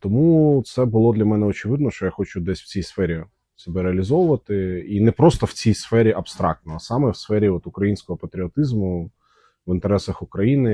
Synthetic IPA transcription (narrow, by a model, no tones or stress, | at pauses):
t̪ɔmut̪sɛbʊlˠɔd̪lʲɐmɛnɛɔt͡ʃɪʋɪd̪nɔʃt͡ʃɔjaxɔt͡ʃʊd̪ɛsʲw̥t͡sʲijsfɛɾʲi | sɛbɛɾeɐlʲizɔʋʊʋɐt̪ɪinɛpɾɔst̪ɔwt͡sʲijsfɛɾʲiʔɐbst̪ɾɑ̰k̚t̪nɔɦɐsɑmɛwsfɛɾʲiɔt̪ʊkɾɐjinʲsʲkɔɦɔpɐt̪ɾʲiɔt̪ɪzmʊ | ʋɪnt̪eɾɛsɐxʊkɾɐjinɪ